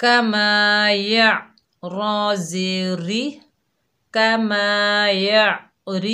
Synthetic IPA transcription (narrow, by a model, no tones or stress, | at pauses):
kamaja | ɾɔ̃zeɾi | kamaja | ɾi